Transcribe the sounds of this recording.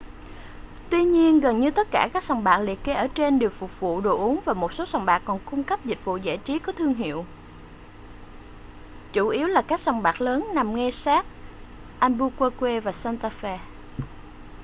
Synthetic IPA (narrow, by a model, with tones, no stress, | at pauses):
t̪wi˧ɲi˧ənɣə˨˩nɲɨ˧t̪ə˦˥t̚kaː˧˩kaː˦˥k̚sɔ˨˧˩wŋ͡mɓaː˨˩k̚lḭ˧˨əke˨˦ʔəː˧˩t͡ɕe˧nɗe˨˩wfʊ˨˩k͡p̚vṵ˧˨ɗo˨˩ʔu˨˦əŋvaː˨˩mo˨˩t̚so˨˦sɔ˨˩wŋ͡mɓaː˨˩kːɔ˨˩nkʊ˧ŋ͡mka˦˥p̚zi˨˩t̚vṵ˧˨za̰ː˧˩jt͡ɕi˨˦kɔ˨˦t̪ʰɨ˧əŋɦḭ˧˨əw | t͡ɕu˧˩ʔi˨˦əwlaː˨˩kaː˦˥k̚sa˨˧˩wŋ͡mɓaː˨˩k̚ləː˨˦nːa˨˩mŋɛ˧saː˦˥k̚ | ʔa˧nɓu˧kwaː˧kwe˧vaː˨˩saː˧nt̪aː˧fɛ˧